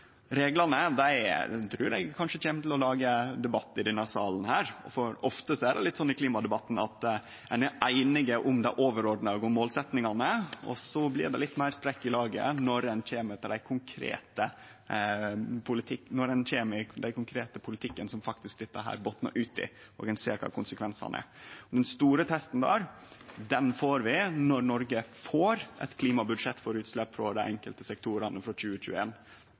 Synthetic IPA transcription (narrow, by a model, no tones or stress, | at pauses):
ɾeːɡlɑnəd̪æɪt̪ʰɾʉːɾɛ̰ɪɡkʰɑnʂəc͡çeːmət̪l̩ɔlɑːɡəd̪ɛbɑt̪ːɪd̪ɛnːəsɑːln̩hæːɾfɔɾɔft̪əsɔædɛ̰lɪt̪ːsɔnːɪkliːmɑd̪ɛbɑt̪ːn̩ɑ̰t̪ | ɛnæʔæɪnɪɡəʔʊmd̪æɪʔoːʋəɾɔɖnɑɡʊmːoːlsɛt̪nɪŋɑnəɔ̰sɔblɪ̰ɾd̪ɛ̰lɪt̪ːmæɪɾsp̪ɾɛkːɪlɑːɡə̰nɔɾɛnc͡çeːmət̪ːɪɾɖ̪æɪkʰʊŋkʰɾḛːt̪ə | pʰʊlɪt̪ʰɪkːnɔɾɛnçeːməd̪æɪkʊŋkʰɾeːt̪əpʰʊlɪt̪ʰɪkːənsɔmfɑk̚t̪ɪskd̪ɪt̪ːəɦæ̰ːɾbot̪nə̰ʔʉːt̪ɪ̰ | ɔ̰ːɡɛnsḛːɾkʰɑ̰ːkʰʊnsəkʰʋɛnsɑ̰nʔə̰ɔd̪ɛnst̪uːɾət̪ʰɛst̪nd̪æ̰ːɾd̪ɛnfoːɾʋɪnɔɾnɔɾɡəfoːɾʔɛ̰t̪kʰliːmɑbʉd̪ʂɛt̪ːfɔɾʉːt̪slɛpːfɾɔd̪æɪʔɛŋkəlt̪əsɛk̚t̪ʰuːɾɑnəfɾɔc͡çʉːəc͡çʉ̰ːəeːn